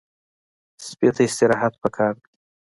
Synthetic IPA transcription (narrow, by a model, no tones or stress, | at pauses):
spet̪aɪst̪ɪɾɑɦat̪̚pəkʰɑɾd̪ii